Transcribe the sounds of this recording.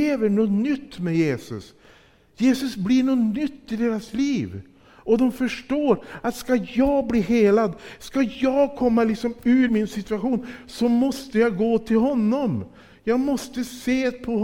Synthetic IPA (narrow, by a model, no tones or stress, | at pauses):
eːvəɳɔnʏt̪ːmɛjeːsɵ̰s | jeːsɵsbliːɳɔnʏt̪ːɪd̪eːɾasliːv | ɔd̪ɔmfœʂʈoːɾat̪skajɑːɡbliːɦeːlad̪skajɑːɡkʰɔmːalɪksɔmʉːɾmɪnsɪt̪ʉaɧuːnsɔmɔst̪əjɑɡoːt̪ʰɪlɦɔnːɔm | jɑːɡmɔst̪əseːpʰɔh